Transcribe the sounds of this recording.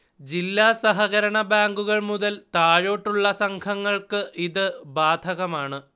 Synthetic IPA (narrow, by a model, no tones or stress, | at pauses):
d͡ʑilːaːsɐɦɐɣɐɾɐɳɐbaːŋɡuɣɐɭmuðɐlt̪aːɻoːʈːuɭːɐsɐŋkʰɐŋːɐɭkɨʔiðɨbaːd̪ʱɐɣɐmaːɳɨ